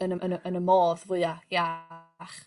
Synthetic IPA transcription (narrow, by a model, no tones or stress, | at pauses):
ənəənəənəmoːðvʊɨaja | χ